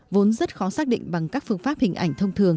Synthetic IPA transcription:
vo˨˦nzə˦˥t̚xɔ˨˦saː˦˥k̚ɗḭ˧˨ŋ̟ɓa˨˩ŋkaː˦˥k̚fɨ˧əŋfaː˦˥p̚hï˨˩ŋ̟ʔa̰˧˩jŋ̟t̪ʰə˧wŋ͡mt̪ʰɨ˨˩əŋ

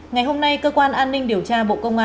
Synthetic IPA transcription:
ŋa˨˩jɦo˧mna˧jkəː˧kwaː˧nʔaː˧nːï˧ŋ̟ɗi˨˩əwt͡ɕaː˧ɓo̰˧˨kə˧wŋ͡mʔaː˧

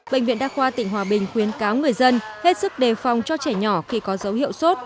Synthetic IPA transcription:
ɓḛ˧˨ŋ̟vḭ˧˨nɗaː˧˥xwaː˧t̪ï˧˩ŋ̟ɦwaː˨˩ɓï˨˩ŋ̟xwi˨˦ənkaː˨˦wŋɨ˨˩əjzə˧nhe˦˥t̚sɨ˦˥k̚ɗe˨˩fa˨˩wŋ͡mt͡ɕɔ˧t͡ɕɛː˧˩ɲɔ˧˩xi˧˩kɔ˨˦zə˨˦whḭ˧˨əwso˦˥t̚

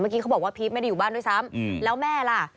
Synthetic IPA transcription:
maː˥˩ki˦˥ka˦˥wbɔː˨˩k̚waː˥˩pʰi˦˥ma˥˩jda˥˩juː˨˩baː˥˩ndu˥˩sa˦˥mlɛː˦˥wmɛː˥˩la˨˩

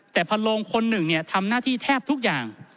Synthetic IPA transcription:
t̪ɛː˨˩pʰa˧lo˧ŋkʰo˧nːɯ˨˩ŋni˥˩ɐt̪ʰa˧mnaː˥˩t̪ʰiː˥˩t̪ʰɛː˥˩p̚t̪ʰu˦˥k̚jaː˨˩ŋ

